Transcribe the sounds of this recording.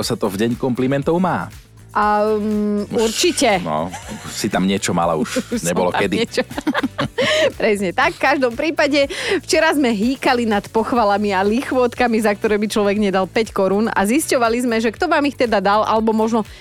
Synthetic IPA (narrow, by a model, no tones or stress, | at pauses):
ɔsat̪ɔvɟɛɲkɔmplimɛnt̪ɔʊma̰ː | a | uɾt͡ʃicɛnɔ̰sit̪amɲɪɛt͡ʃɔma̰la̰uʃɲɛbɔlɔ̰kɛd̪it͡ʃɔ | pɾɛsɲɛt̪akːaʒd̪ɔmpɾiːpaɟɛft͡ʃɛɾazmɛɦiːkalinat̪pɔxʋalamialixʋɔt̪kamizak̚t̪ɔɾɛːbit͡ʃlɔʋɛɡɲɛd̪alpɛckɔɾuːna̰ziscɔʋalizmɛʒɛkt̪ɔʋaːmixt̪ɛd̪ad̪alʔa̰lɛbɔmɔʒnɔ